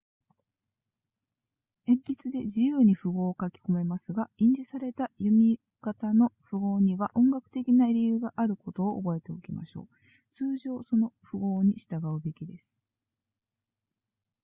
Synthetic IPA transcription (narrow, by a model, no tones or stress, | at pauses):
ẽ̞mɾʲit͡sɨd̪e̞d͡ʑijɯːɲ̟iɸɯɡo̞ːkakʲi̥ko̞me̞masɨɡaĩɲ̟d͡ʑisaɾe̞t̪ajɯ̟mʲi | kat̪ano̞ɸɯ̟ɡo̞ːɲ̟iβaʔõ̞ŋɡakɯ̟̥t̪e̞kʲinaɾʲijɯːɡaʔaɾɯ̟ko̞t̪o̞ːʔːbo̞e̞t̪e̞o̞kʲima̰ɕo̞̰ː | t͡sɨːʑo̞ːso̞no̞ɸɯ̟ɡo̞ːɲ̟iɕi̥t̪aɡaɯ̟be̞kʲid̪e̞sɨ̥